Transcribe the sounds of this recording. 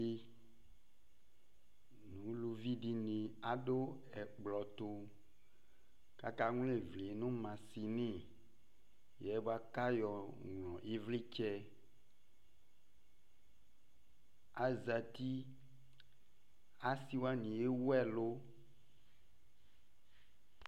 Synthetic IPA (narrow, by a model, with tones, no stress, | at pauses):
e˦ | nũ˨˦lu˨vi˦ɖi˦nẽ˨a˦ɖo˦ | ɛ˨k͡plɔ˨t̪o˦ | ka̰˦ka˦ŋũ˦le˨vle˨˦nũ˦mã˨si˨nĩ˦˨ | jɛ˨˦bo˦a˦ka˦jɔ˨ŋ˨lɔ̃˨ʔe˦vle˦t͡ʃɛ˦ | a˦za˨t̪i˦ | a˦si˦wa˦nĩ˨e˦wo˦ɛ˦˨lo˦